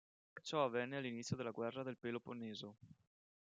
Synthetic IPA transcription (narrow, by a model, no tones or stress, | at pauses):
t͡ʃɔavːɛnːealːinit̪sːjod̪elːaɡwɛrːad̪elpeːloponːeːzo